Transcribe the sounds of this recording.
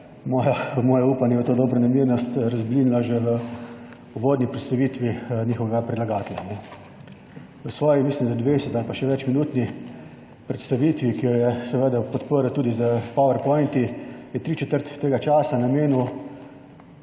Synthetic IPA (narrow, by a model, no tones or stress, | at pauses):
mɔːjamɔːjɛuːpanjɛət̪oːd̪ɔːbɾanamiːɾnɔst̪ɾazbliːnilaʒeʋə | uʋoːd̪nipɾɛt̪st̪aʋiːt̪ʋinʲiːxɔʋɛɡapɾilaɡaːt̪lʲanɛ | ʋəsʋɔːjimislimd̪ad̪ʋesɛt̪alpaʃɛʋɛt͡ʃminuːt̪ni | pɾɛt̪st̪aʋit̪ʋikijɔjɛsɛʋeːd̪apɔt̪pəɾət̪uːd̪izapɔʋɛɾpɔjnt̪ijɛt̪ɾiːt͡ʃɛt̪əɾt̪ːeːɡat͡ʃaːsanameːnu